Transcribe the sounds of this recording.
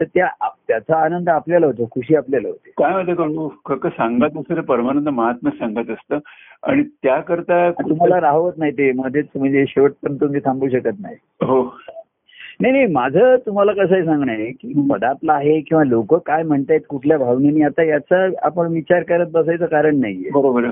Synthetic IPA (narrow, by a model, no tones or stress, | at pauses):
t̪əɾt̪jaat̪jat͡saːnənd̪apljalaɦot̪̬okʰuɕiːapljalaɦot̪ekajməd̪ʱːjekəɽukʰəkəsãŋɡat̪əsəɾepəɾmaɾənd̪əməɦat̪məsãŋɡat̪əst̪əːa̰ɽ̃it̪jakəɾt̪aat̪um̤alaɾaɦʋət̪naɦit̪em̤ət̪et͡sm̤əɳd͡zeɕeʋəʈ̚pənt̪umd͡ʑesʰãmbuːɕəkət̪na̰ɦi | ɦo | najnajmad͡zʱət̪um̤alakəs̬aes̬ãŋɡɳajekipəd̪ap̪laːɦekĩw̃ʋalokəkajm̤əɳt̪ajt̪kuʈʰljabʱaʋnjaniːat̪ajat͡saa̰pəɳʋit͡ɕaɾkəɾət̪̚bəsajt͡səkaɾəɳnaɦjḛbəɾobəɾ